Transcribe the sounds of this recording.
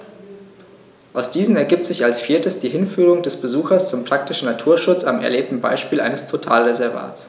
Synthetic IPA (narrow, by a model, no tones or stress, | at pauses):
ʔaʊsd̥iːzn̩ɛɐɡiːp̚tz̥ɪçalsfiːɐtəsd̥iːɦɪnfyːʁʊŋdɛsb̥əzuːxɐst͡sʊmpʁ̥ak̚tɪʃn̩natʰuːɐʃʊt͡samɛ̰ɐleːp̚tn̩ba̰ɪʃpiːlʔa̰ɪnəstʰotʰa̰ːlʁezɛɐva̰ːtt͡s